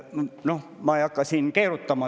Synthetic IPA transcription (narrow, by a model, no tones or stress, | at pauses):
nomɑːjɑkːɑsinkeːrut̪ːɑmɑ